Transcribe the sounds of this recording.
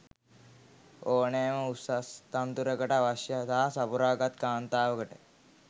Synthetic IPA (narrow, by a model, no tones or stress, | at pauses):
oːnejməusast̪ant̪uɾəkəʈaʋaʃjəsaɦasapuɾaːɡat̪kaːnt̪aːʋəkəʈə